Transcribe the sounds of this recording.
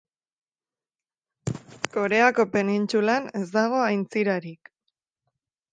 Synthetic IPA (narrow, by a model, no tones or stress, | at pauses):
ko̞ɾe̞ako̞pe̞nint͡sulane̞zd̪aɣ̞o̞ajnt͡siɾaɾik